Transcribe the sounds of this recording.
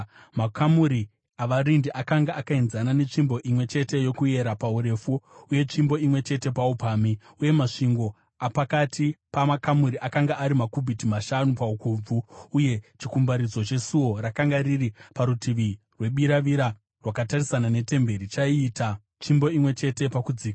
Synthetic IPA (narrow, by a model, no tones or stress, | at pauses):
makʰamuɾi | aʋaɾindiʔakaŋɡaakainzanane̞t͡ʂimbo̞ʔimwe̞t͡ʃe̞te̞jo̞kuje̞ɾapauɾe̞fuːje̞t͡ʃimbo̞imwe̞t͡ʃe̞te̞paupaːmi | uje̞maʂiŋɡo̞ | apakatʰipamakamuɾiʔakaŋɡaːɾimakubʱitimaʃanupaukub͡vuːje̞t͡ʃikumbaɾid͡zo̞t͡ʃe̞suwo̞rakaŋɡaɾiripaɾutiʋi | rwe̞ɓiɾaʋiɾa | rwakatarisanane̞te̞mbe̞ɾit͡ʃaiːta | t͡ʃimbo̞imwe̞t͡ʃe̞te̞pakud͡ziːka